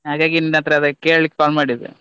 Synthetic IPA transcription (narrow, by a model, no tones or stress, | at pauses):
ɦaːɡaːɡininat̪ɾeɐd̪ɐkeːɭlikːkaːlmaːɽid̪ḛ